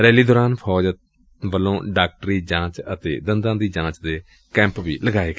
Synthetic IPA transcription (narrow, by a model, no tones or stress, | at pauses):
ɾɛːliːd̪oːɾaːnpʰɔːd͡ʒ | ʋəlːõːɖaːk̚ʈɾiːd͡ʒãːt͡ʃət̪ḛːd̪ənd̪ãːd̪iːd͡ʒãːt͡ʃd̪eː | kɛ̃ːmpbiːləɡaːeːk